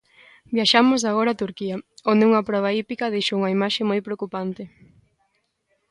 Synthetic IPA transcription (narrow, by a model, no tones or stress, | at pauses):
bjaʃamʊsaɣ̞oɾat̪uɾkiɐond̪euŋɐpɾɔβ̞aipikɐðejʃouŋɐimaʃemojpɾeokupant̪ɪ